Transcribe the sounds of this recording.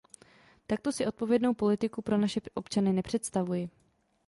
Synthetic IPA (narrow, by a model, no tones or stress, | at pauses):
t̪ak̚t̪o̞sɪʔo̞t̪̚po̞vjɛdno̞wpo̞lɪt̪ɪkupɾo̞naʃɛʔo̞pt͡ʃanɪnɛpr̝̥ɛt̪st̪avujɪ